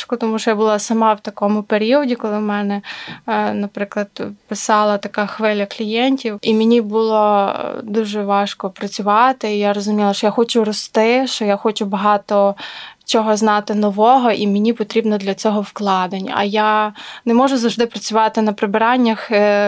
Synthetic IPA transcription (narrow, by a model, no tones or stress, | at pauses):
ʃkɔt̪ɔmuʃt͡ʃɔjabʊlˠɑsɐmɑwt̪ɐkɔmʊpeɾʲiɔdʲikɔlˠɪwmɛnɛ | nɐpɾɪklˠɐd̪pɪsɑlˠɐt̪ɐkɑxʋɪlʲɐklʲijɛnʲtʲiwimʲenʲibʊlˠɔd̪uʒɛʋɑʃkɔpɾɐt͡sʲʊʋɑt̪ɪijaɾɔzʊmʲilˠɐʃt͡ʃɔjaxɔt͡ʃʊrɔst̪ɪʃt͡ʃɔjaxɔt͡ʃʊbɐɦɑt̪ɔt͡ʃɔɦɔznɑt̪ɪnɔʋɔɦɔʔimʲenʲipɔt̪ɾʲibnɔd̪lʲɐt͡sʲɔɦɔwklˠɑd̪ɪn̰ʲɐ̰janɛmɔʒʊzɐwʒd̪ɪpɾɐt͡sʲʊʋɑt̪ɪnɐpɾɪbɪɾɑnʲːɐx